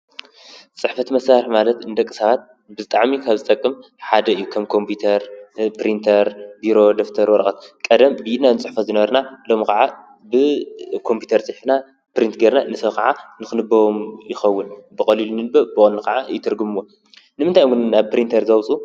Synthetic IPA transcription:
t͡sʼɨħfɐt̪mɐsaɾɨħmalɐt̪ɨnd̪ɐkʼːɨ̥sɐβat̪̚ | bɨzɨt̪ʼaʕmikʰaβzɨt̪ʼɐkʼːɨm | ħad̪ɐɨjːukʰɐmkʰo̞mpʰjut̪ʰɐɾpɾint̪ʰɐɾbiɾo̞d̪o̞ft̪ʰɐɾwɔɾɐxʼɐt̪̚kʼɐd̪ɐmbɨjinanɨt͡sʼɨħfɐzɨnɐβɐɾnalo̞mkʰaʕa | bɨkʰo̞mpʰju̥t̪ʰɐɾt͡sʼɨħfna | pɨɾint̪ɡeɾnanɨsɐkʰaʕanɨxɨnɨbːɐwomjɪxɐwːʊnbɨkʼɐlilunɨnɨbɐbɨonːɨkʰaʕajɪt̪ʰɨɾɡumɨwo̞ | nɨmɨnt̪ʰajɡʊnnaβpɨɾint̪ʰɐɾzɐwt͡sʼu

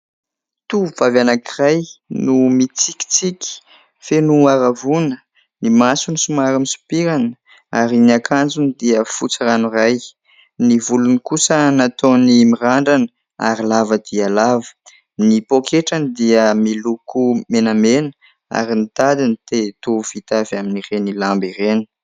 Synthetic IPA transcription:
t̪uuvavanakirajnumit͡siki̥t͡sikʲi̥ | fenuaɾavunə | nimasunisumaɾamisu̥piɾanə | aɾiniakʰand͡zunid̪iəfut͡səranuraj | nivulunikusənat̪onimiraɳɖ͡ʐanə | a̰ɾilavəd̪iəlavə̥ | nipokʰeʈ͡ʂanid̪iəmilukʰumenamenə̥ | a̰ɾinit̪ad̪init̪et̪uv̥it̪avaminirenilambireni̥

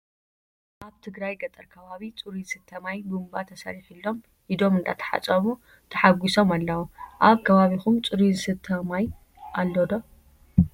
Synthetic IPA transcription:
ʔaβt̪ʰɨɡɾajɡɐt̪ʼɐɾkʰɐβaβit͡sʼɨɾiɨsɨt̪ʰːɐmajbumbat̪ʰɐsɐ̰ɾifilːo̞m | ʔid̪o̞mɨnd̪a̰t̪ʰɐ̥ħa̰t͡sʼɐmu | t̪ʰɐħaɡʷiso̞malːɐwuʔaβkʰɐβaβixumt͡sʼɨɾizsɨt̪ʰɐmaj | ʔalːod̪o

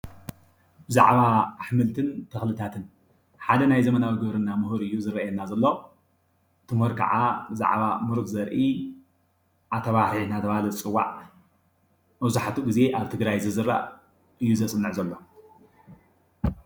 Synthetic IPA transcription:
bɨza̰ʕβaːħmɨlt̪ʰɨnt̪ʰɐxlɨt̪ʰat̪ʰɨn | ħad̪ɐnajzɐmɐnawiɡɐβɾɨnːamɨɦɨɾɨjːuzɨɾɐjɛnːazɐlːo̞ | t̪ʰɨmhɨɾkʰa̰ʕabɨza̰ʕβamɨɾt̪zɐɾʔi | ʔat̪ʰɐβaħinat̪ʰɐβalɐt͡sʼɨwːa̰ʕ | mɐβzuħat̪ʰuɡize̞ʔaβt̪ʰɨɡɾajzɨzɨɾa̰ | ʔɨjːuzɐsʼɨnːɨʕzɐlːo̞

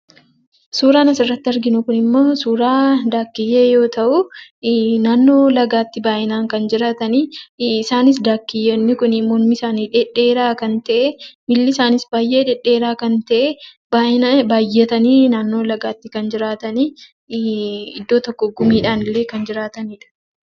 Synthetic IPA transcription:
suːɾaːnɐsɪrːɐt̪ːɪɐɾɡɪnʊkʊnɪmːo̞ːsuːɾaːd̪aːkːɪjːeːjo̞ːt̪ɐʔʊ | naːnːo̞ːlɐɡaːt̪ːɪbaːʔɪnaːŋkɐnd͡ʒɪɾaːt̪ɐniːɪsaːnɪs̬d̪aːkːɪjːɛnːɪkʊnɪmɔlmisaːniːᶑɛᶑeːɾaːkɐnt̪ɐʔemɪlːɪsaːnɪsbaːjːeːᶑɛᶑːeːɾaːkɐnt̪ɐʔe | baːʔɪnɐbaːjːɛt̪ɐniːnaːnːo̞ːlɐɡaːt̪ːɪkɐnd͡ʒɪɾaːt̪ɐniː | ɪd̪ːo̞ːt̪ɔkːɔɡʊmiːᶑaːnɪlːe̞ːkɐnd͡ʒɪɾaːt̪ɐniːᶑɐ̥

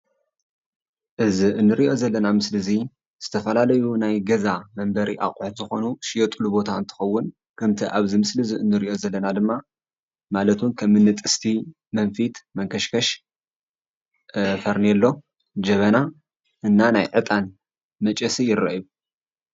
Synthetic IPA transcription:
ʔɨziʔɨnːɨɾiʔo̞zɐlːɐnamɨslɨzi | z̥ɨt̪ʰɐfɐlalɐjunajɡɐzamɐmbɐɾiʔa̰kʼʊħt̪zɨxo̞nuʃɪjo̞t̪ʼlubo̞t̪ʰaɨnt̪ʰɨ̥xɐwːʊn | kʰɐmt̪ʰiʔaβzimɨslɨziɨnːɨɾiʔo̞zɐlːɐnad̪ɨmːa | malɐt̪ʰunkʰɐmːɨnːɨt̪ʼɨst̪ʰi | mɐnfit̪mɐŋkʰɐʃkʰɐʃ | fɐɾnelːo̞ | d͡ʒɐβɐna | ʔɨnːanajʕɨt̪ʼan | mɐt͡ʃʼɐsijɪrːɐ̰ʔiu

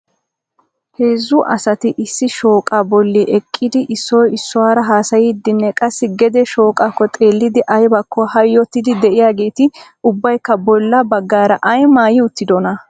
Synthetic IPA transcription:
he̞ːzːʊʔɐsɐt̪ɪʔɪsːɪʃo̞ːkʼabɔlːiʔɛkʼːɪd̪ɪʔɪsːɔjɪsːɔwaːɾɐɦaːsɐjɪd̪ːɪnːɛkʼɐsːɪɡɛd̪ɛʃo̞ːkʼakːɔt̪ʼe̞ːlːɪd̪ɪʔɐjbɐkːɔhɐjːɔt̪ːɪd̪ɪd̪ɛʔɪjaːɡe̞ːt̪ɪ | ʊbːɐjkːɐbɔlːɐbɐɡːaːɾɐʔɐjmaːjɪʊt̪ːɪd̪ɔnɐ

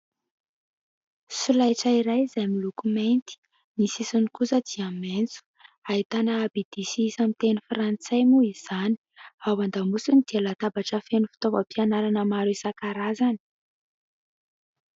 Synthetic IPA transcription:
sulajʈ͡ʂəiɾajizajmilukumejnt̪i̥ | nisisunikusəd̪̥iament͡su̥ | ait̪anaːbid̪̥isiːsamit̪enifrant͡sajmuiz̥ani̥awand̪amusunid̪̥ialat̪abaʈ͡ʂəfenufi̥t̪ovəpianaɾanəmaɾuisakaɾazani̥

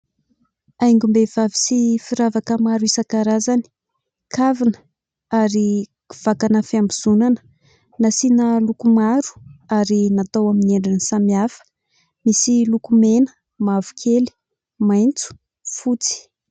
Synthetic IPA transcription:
ajŋɡumbev̥avisifiɾavakəmaɾuisəkaɾazani̥ | kʰavinə | aɾi | v̥akanəfiambiz̥unanə̥ | nasinəlukumaɾu̥aɾinat̪awamineɳɖ͡ʐinisamiafə̥ | misilukumenə̥ | mavu̥kʰeli̥ | majnt͡su̥ | fut͡si̥

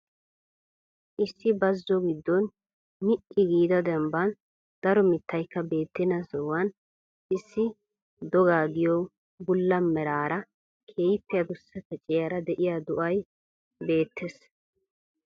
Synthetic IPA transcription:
ʔɪsːɪbɐzːɔɡɪd̪ːɔn | mɪʔɪɡiːd̪ɐd̪ɛmbɐn | d̪̥ɐɾɔmɪt̪ːɐjkːɐbe̞ːt̪ːɪnɐsɔwɐn | ʔɪsːɪ | d̪ɔɡaːɡɪjo | bʊlːɐmːɛɾaːɾɐ | kʰeːjpːɛjɐd̪ʊsːɐt̪ɛt͡ʃʼɛjɐɾɐd̪ɛʔɪjad̪ʊʔɐj | be̞ːt̪ːɛs

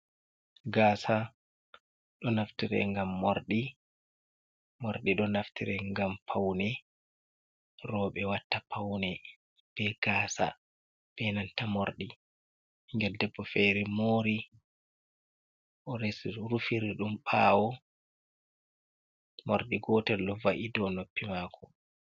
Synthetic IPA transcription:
ɡaːsa | ɗɔnaftiɾɛ̰ŋɡamːoɾɗi | moɾɗiɗɔnaftiɾɛŋɡampʰawnɛ | rɔːɓɛwatːapawnɛ | b̥ɛɡ̥aːsa̰ | b̥ɛnantamoɾɗi | iŋɡɛldɛbːɔfɛɾimoːɾi | ʔɔɾesiɾufiɾiɗumpaːwɔ | moɾɗiɡɔːtɛlɗɔvaʔidɔnopːimaːkʰɔ

